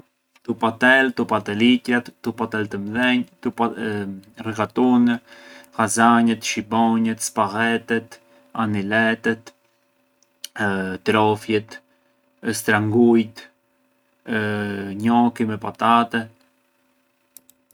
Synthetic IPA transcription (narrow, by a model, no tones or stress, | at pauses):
t̪upat̪ɛlt̪upat̪ɛlicɾat̪ːupat̪ɛlt̪əmðɛɲt̪up | rɛkat̪unhazaɲɛt̪ʃibɔɲɛt̪spaʁɛt̪ɛt̪ | anilɛt̪ɛt̪ | t̪ɾɔfjɛt̪ | st̪ɾaŋɡujt̪ | ɲɔkimɛpat̪at̪ɛ